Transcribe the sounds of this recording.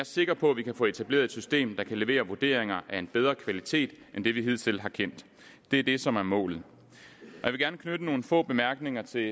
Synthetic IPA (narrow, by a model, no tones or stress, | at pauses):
æɐse̝ɡ̥ɐpʰɒ̽ʋikʰæfɔ̰̽ːe̝t͡sʰæb̥le̝̰ɐðˠed̥sysd̥e̝̰ːmd̥ɑ̈kʰæleʋe̝̰ːɐʋuɐd̥e̝̰ɐeŋɐʔæe̝nb̥eð̞ˠʁɐkʰʋælit͡sʰe̝̰ːd̥ʔend̥e̝ʋiɦe̝ð̞̰ˠsel̰ɦɑ̈kʰen̰d̥ | d̥e̝æɐd̥e̝sɒ̽mæɐmɔ̰̽ːlð̩ˠ | ɒjɑ̈ʋeɡæɐnəkʰnød̥əno̝ːn̩fɔ̰̽ːb̥e̝mæɐɡ̥ne̝ŋɐt͡sʰe̝